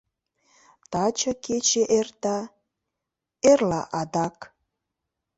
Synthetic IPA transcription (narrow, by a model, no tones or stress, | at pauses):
t̪ɑt͡ɕəket͡ɕeʔert̪ɑ | erlɑʔɑd̪ɑk